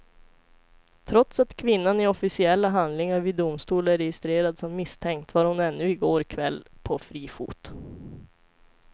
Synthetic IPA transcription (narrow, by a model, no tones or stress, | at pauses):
t̪ʰɾɔt̪sat̪kʰvɪnːanɪɔfɪsɪɛlːaɦand̪lɪŋaɾvɪːd̪ʊmst̪uːlæɾɛjɪst̪ɾeːɾad̪sɔmːɪst̪ʰɛŋk̚t̪vaːɾhʊnɛnːɵɪɡoːɾkʰvɛlːpʰɔfɾiːfṵːt̪